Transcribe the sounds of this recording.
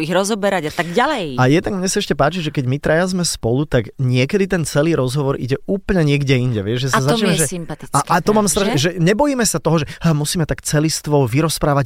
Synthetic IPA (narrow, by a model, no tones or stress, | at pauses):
iɣɾɔzɔbɛɾaɟat̪aɡɟalɛjajɛd̪naɡmɲɛsaɛʃcɛpaːt͡ʃiʒɛkɛɟmit̪ɾajazmɛspɔlut̪aɡɲɪɛkɛd̪it̪ɛnt͡sɛliːɾɔzɦɔʋɔɾʔḭɟɛuːpl̩ɲɛɲɪɛɡɟɛiɲɟɛʋɪɛʒʒɛsazat͡ʃɛmɛʒɛsimpat̪iakat̪ɔmaːmst̪ɾaʃʒɛɲɛbɔjiːmɛsat̪ɔɦɔʒɛmusiːmɛt̪akt͡sɛlist̪ʋɔʋiɾɔspɾaːʋaɟ